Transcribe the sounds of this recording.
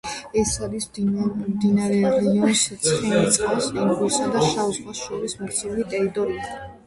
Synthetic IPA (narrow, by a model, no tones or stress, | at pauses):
ɛsad̪ismd̪inaɾɛɾɛiɔnsit̪sʰχinit̪sʼqʼasiŋɡuɾsad̪aʃauzχwasʃɔɾismɔɾt̪sʰɛulit̪ʼɛɾit̪ʼɔɾia